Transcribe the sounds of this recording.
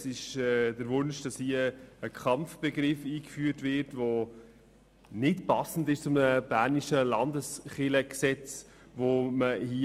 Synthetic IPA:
sɪʃɛdəɾvʊnʃd̥ɑshiəəkʰχɑmfb̥ɛɡɾɪfiːkfyːətvɪɾtvo | nɪtpɑsn̩dɪʃt͡sʊmnəb̥æːɾniʃəlɑndəsχɪləksɛt͡s | voməhi

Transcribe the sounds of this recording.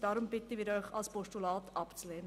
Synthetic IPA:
d̥ɑːɾʊmbɪt̪əʋiːɾœʏχɑ̰lspɔʃtulɑːt̪ʰɑpt͡slɛːnə

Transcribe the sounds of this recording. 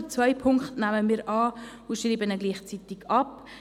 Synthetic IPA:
t͡svœjpʰʊŋkχtnæməmiːɾʔɑː | ʊʃriːbənɛɡliːχt͡sit̪ɪɡ̥ɑp

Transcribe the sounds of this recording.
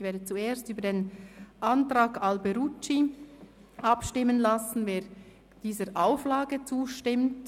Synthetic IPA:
v̥eːɐdət͡sueːstyːbədeːnʔɑntraːɡɑlbeɾut͡ʃi | ʔɑpʃtɪmːənlɑsn̩veː | d̥iːzəɾʔaʊflɑːɡət͡suːʃtɪmt

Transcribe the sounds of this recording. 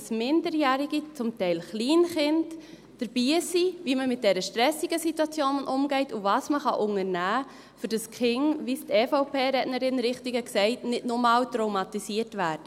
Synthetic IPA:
smɪndəɾjæːɾiɡit͡sʊmtɛɪlχliːnχɪnd | d̥əɾb̥iːsiviməmɪt̚dɛɾəʃtɾɛsiɡ̥əsitwɑt͡sjoːnʔʊmɡɛɪtʊvɑːsməχɑʔʊŋəɾnæː | fʏɾd̥əskχɪŋvistefoʊpeːɾɛdnəɾɪnɾɪχtiɡəksɛɪtnɪdnɔmɑːwtɾowmɑtisiːətʋæːɾdə

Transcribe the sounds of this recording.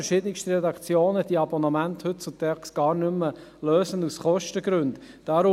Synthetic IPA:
ɾʃɪːdənɪkʃtəɾɛdɑkt͡sjoːnəd̥iəɑbɔnɑmænthɵt̚t͡sut̪ʰɛksɡ̥ɑːɾnʏmːəløːsənusχɔʃtəɡɾʉnd | d̥aːɾʊ

